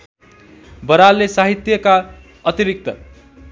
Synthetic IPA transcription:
bʌɾalːesaɦit̪jʌka | ʌt̪iɾik̚t̪ʌ̰

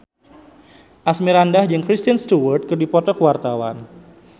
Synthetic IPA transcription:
ʔasmiɾandahd͡ʒɨŋkɾist̪anst̪uwərt̪̚kərdipɔt̪ɔkəwart̪awa̰n

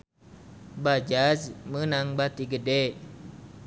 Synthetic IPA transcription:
bad͡ʒasmənaŋbat̪iɡədɛ

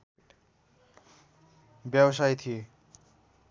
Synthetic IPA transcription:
bjabs̬ajt̪ʰije

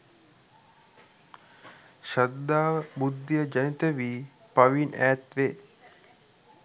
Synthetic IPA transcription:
ʃad̪ːaːʋəbud̪ːijəd͡ʒɐnit̪əʋiː | paʋinæ̰ːt̪ʋeː

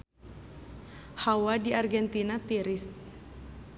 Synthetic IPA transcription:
hawadiarɡɛnt̪inat̪iɾɪs

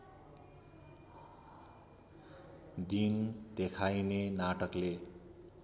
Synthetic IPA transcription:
d̪ind̪ekʰajnenaʈʌkle

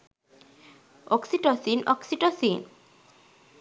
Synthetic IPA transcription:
ɔksiʈɔsinɔksiʈɔsin

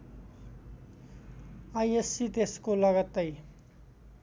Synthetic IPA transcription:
ajesit̪eskolʌɡʌt̪ːʌj

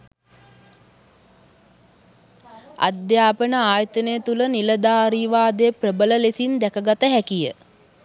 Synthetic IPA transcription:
a̰d̪jaːpənəaːjət̪ənəjət̪uləniləd̪aːɾiːʋaːd̪eprəbələlesind̪ækəɡat̪əɦækijə̰

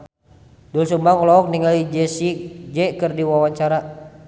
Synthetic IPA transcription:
dulsumbaŋɔlɔɔk̚niŋalid͡ʒɛsid͡ʒɛkɨrdiwawaɲt͡ʃaɾa

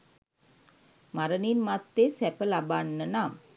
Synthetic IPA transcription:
maɾəninmat̪ːesæpəlabanːənam

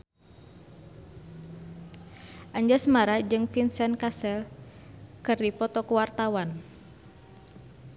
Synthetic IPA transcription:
ʔaɲd͡ʒasmaɾad͡ʒɨŋpinsɛnkasɛl | kɨrdipɔt̪ɔkuwart̪awan

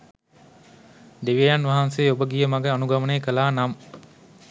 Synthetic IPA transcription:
d̪eʋiɐjanʋɐɦɐnseːobəɡijɐmɐɡeɐnuɡɐmɐneːkɐlaːnɐm

